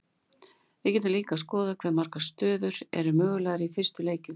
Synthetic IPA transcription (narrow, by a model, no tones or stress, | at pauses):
ɛcɛt̪nɪliːkaskɔːðakʰvɛɾmaɾ̥kast̪œːðʏɾɛ̰ɾʏmœːɣʏlɛːɣɾifɪr̥st̪ʏleːjcʏm